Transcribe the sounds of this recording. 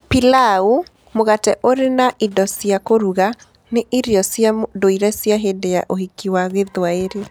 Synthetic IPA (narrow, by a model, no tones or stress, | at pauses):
pilau | moɣatɛʔoɾenaʔidɔsjakoɾuɣa | neʔiɾjɔsjadoiɾɛsjaɦedejaʔohikiwaɣeðwaeɾe